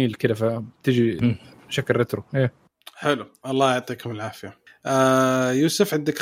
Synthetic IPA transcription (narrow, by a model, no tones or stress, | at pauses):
iːlkɪlafat̪ɪd͡ʒi | ʃakːlˤːɪt̪ɾuʔeː | ħɪluʔɑlˤːɑːjɑʕt̪ˤiːkʊmɪlʕaːfɪjaʔajuːsʊfʕɪnd̪ak